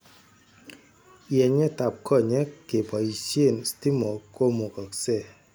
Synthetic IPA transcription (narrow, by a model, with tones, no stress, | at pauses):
jɛ˨ɲɛ˦ta˨p̚kʰɔ˦˨ɲɛ˦ke˨pa˨i˨sje˦˨nsti˦mɔ˨ko˦mo˨kɔ˨ksɛ˦˨